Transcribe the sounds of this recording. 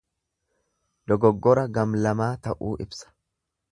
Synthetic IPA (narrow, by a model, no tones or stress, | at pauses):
d̪̥ɔɡɔɡːɔɾɐɡɐmlɐmaːt̪ɐʔuːʔɪbsɐ̥